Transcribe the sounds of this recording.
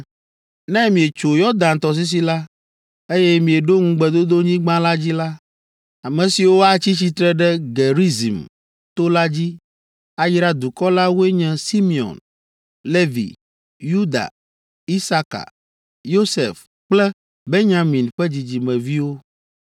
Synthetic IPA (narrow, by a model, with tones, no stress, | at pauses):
nɛ̃˦mĩ˨e˨t͡ʃo˨jɔ˦d̪ã˨nt̪ɔ˨s̬i˦s̬i˨la˦ | e˦jɛ˦mĩ˨e˨ɖo˦ŋũ˦ɡ͡bɛ˨d̪o˦d̪o˦ɲĩ˦ɡ͡bã˦la˦d͡ʑi˦la˦ | a˨mɛ̃˨si˨wo˦a˦t͡ɕi˦t͡ɕi˦t̪ɾɛ˦ɖɛ˦ɡe˨ɾi˦zḭ˨m | t̪o˦la˦d͡ʑi˦ | a˦ji˦ɾa˦d̪u˨kɔ˦la˦wu˦e˦ɲɛ̃˨si˦mi˨ɔ̰˨n | le˦vḭ˨ | ju˦d̪a̰˨ | i˦sa˦ka̰˨ | jo˦sḛ˨f | k͡plɛ˦ | be˦ɲã˨mĩ˨nɸɛ˦d͡ʑi˨d͡ʑi˨mɛ̃˨vi˦wo˦